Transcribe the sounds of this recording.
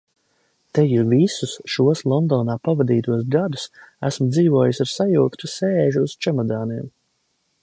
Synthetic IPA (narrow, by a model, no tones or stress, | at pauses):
t̪ɛjuɾvisusʃuɔslˠɔnd̪ɔːnaːpavad̪iːt̪uɔsɡad̪usæsmd̪ziːvuɔjusaɾsajuːk̪t̪useːʒuːz̥t͡ʃɛmɔd̪aːniɛm